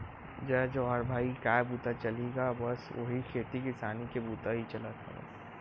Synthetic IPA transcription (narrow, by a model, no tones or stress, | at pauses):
d͡ʒad͡ʒoɦaɾbʱaːikaːbuːt̪at͡ʃɐliɡabɐso̰ɦikʰeːʈikɪsaːnikebuːt̪aɦit͡ʃɐlət̪ʰa̰bɐ̰s